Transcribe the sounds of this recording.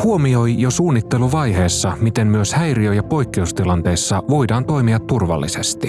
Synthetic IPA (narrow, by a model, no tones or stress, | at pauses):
huo̞mio̞jjo̞suːnːit̪ːe̞luʋɑjɦe̞ːsːɑmit̪e̞mmyøshæjriøjɑpo̞jkːioust̪ilɑnt̪e̞ːsːɑʋo̞jdɑːnt̪o̞jmiɑt̪ːurʋɑ̰lːise̞st̪i